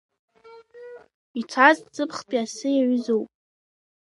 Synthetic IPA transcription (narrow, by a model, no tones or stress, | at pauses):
it͡sʰazz̥ɨpʰχpʼiasɨjaʕʷʏzowpʼ